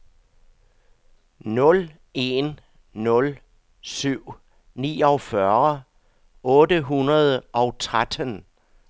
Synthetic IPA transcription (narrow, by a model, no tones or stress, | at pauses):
nɔ̽l | e̝nː | ɔ̽l | syʊ̰ | nḭːɒ̽fɶɐ | ɔ̽ːdəɦunɐð̞ˠəʔɒ̽ʊt͡sʰʁad̥ən